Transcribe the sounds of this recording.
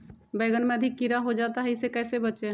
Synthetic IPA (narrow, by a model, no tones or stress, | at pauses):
bəɪɡənmeəd̪ʱikːiɾaɦod͡ʒat̪aɦəisekɛːsebət͡ʃʃe